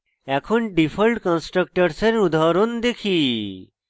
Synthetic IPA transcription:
ɛkʰonɖipʰəlʈkə̃nsʈɾək̚ʈəɾseɾud̪ʱaɾond̪ekʰiː

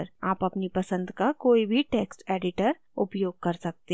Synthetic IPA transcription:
ɾaːpɐpnipɐsə̃nd̪kakoːibʱiʈeːksʈeːɖɪʈəɾ | ʊpjoːɡ̚kɐɾsɐk̚t̪e

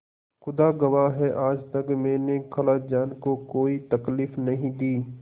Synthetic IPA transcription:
xʊd̪aɡɐʋaɦɛʔaːd͡ʒt̪ɐkmɛ̃ːnekʰɐlad͡ʒaːnkokoːit̪ɐkliːfnɐɦĩd̪iː

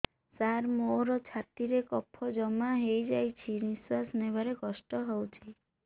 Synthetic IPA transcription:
saɾmoɾɔt͡ʃʰat̪iɾekɔpʰːɔd͡ʒɔmaɦejd͡ʒajt͡ʃʰiniswasnebaɾekɔsʈɔɦɔwt͡ʃʰi

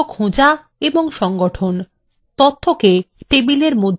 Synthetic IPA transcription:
kʰõd͡ʑa | eboŋʃɔŋɡoʈʰon | t̪ot̪ʰːokesʈebileɾmod̪ʱ

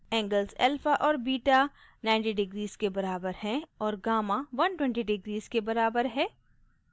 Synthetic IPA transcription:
ɛ̃ːŋɡəlzɛ̰ːlfaʔɔːɾbiːʈa | nãːɪ̃ɳʈiɖɪɡɾiːz̥kebɐɾaːbəɾɦɛ̃ɔːɾɡaːmaʋɐnʈwɛ̃ɳʈiɖɪɡɾiːzkebɐɾaːbəɾɦɛ̃ː

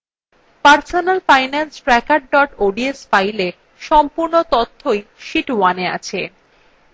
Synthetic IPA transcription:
paɾsonalfajnansʈɾɛkaɖ̚ɖɔʈoɖiesfajle | ʃɔmpuɾnot̪ɔt̪ʰːojʃiʈwanea̰t͡ɕʰe

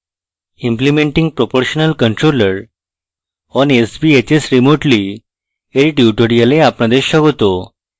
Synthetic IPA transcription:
ĩmplimeɳʈĩŋɡ̚pɾopoɾɕənəlkəɳʈɾoləɾ | ɔnesbiet͡ɕesɾimoʈli | eɾiʈjuʈoɾijaleapnad̪eɕəɡot̪o

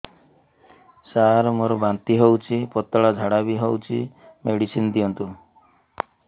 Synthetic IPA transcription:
saɾmoɾɔbant̪iɦewt͡ʃʰipɔt̪ɔɭad͡ʒʱaɽabiɦewt͡ʃʰimeɽisind̪iɔnt̪u

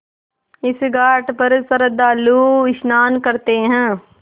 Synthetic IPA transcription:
ɪsɡaːʈpɐɾsɐɾəd̪aːluːɪʃnaːnkɐɾt̪eɦɛ̃ː

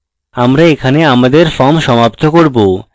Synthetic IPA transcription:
amɾaekʰaneamad̪eɾfɔmʃɔmapt̪ʰokoɾbo

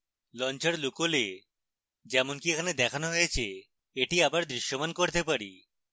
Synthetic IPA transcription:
lɔnt͡ɕeɾlukole | d͡ʑɛmonkiekʰaned̪ɛkʰanoɦojet͡ɕʰe | eʈiabaɾd̪ɾiʃːomankoɾt̪epaɾḭ

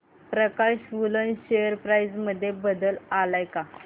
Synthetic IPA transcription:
pɾəkaɕʋulənɕejəɾpɾajd͡zməd̪ʱːjebəd̪əlalajka

